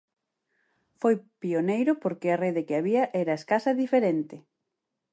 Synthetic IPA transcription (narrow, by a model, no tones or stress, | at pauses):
fojpionejɾʊpoɾkɪareðekɪaβiɐʔɛɾɐeskasɐðifeɾent̪ɪ